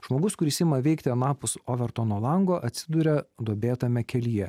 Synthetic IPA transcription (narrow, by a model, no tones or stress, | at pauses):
ʒ̥moːɡʊskʊɾʲɪsʲɪmɐʋʲɛɪkt̪ʲɪɐnɑːpʊsoʋʲɛɾt̪oːnoːlˠɐŋɡoːʔɐt̪ʲsʲɪd̪uɾʲɛd̪oɔbʲeːt̪ɐmʲɛkʲɛlʲijɛ